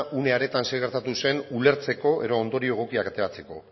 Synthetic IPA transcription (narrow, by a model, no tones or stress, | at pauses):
ʔune̞aɾe̞t̪ansejɣeɾt̪at̪use̞nule̞ɾt͡se̞ko̞ʔe̞ðoːnd̪o̞ɾioeɣ̞o̞kiakat̪e̞ɾat͡se̞ko̞̰